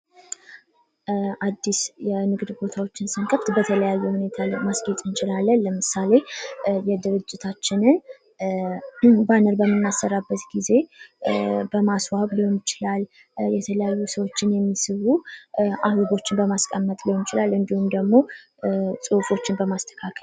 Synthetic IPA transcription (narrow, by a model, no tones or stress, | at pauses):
ʔad̪ːisjɛmɨɡd̪bo̞t̪ʰawo̞t͡ʃːɪnsɨŋkʼəft̪bət̪ʰələjajːuhune̞t̪ʰamasɡet̪ʼɨnt͡ʃʼɪlalːənːəmɨsale̞jɛd̪ɨɾɨd͡ʒːɪt̪ʰat͡ʃːɪnɨn | banəɾbəmːɨnːasːəɾabːət̪ɡize̞ | bəmaswaβliomjɪt͡ʃɪlal | jɛt̪ʰələjajːusəwo̞t͡ʃːɪnjɛmːisɨβuʔahloɡo̞t͡ʃːɪnbəmaskʼəmːət̪ʼliwonɪt͡ʃɪlalɨnd̪ihumd̪əɡmo̞ | sʼofo̞t͡ʃːɪnbəmast̪ʰə̥kʰakʰəl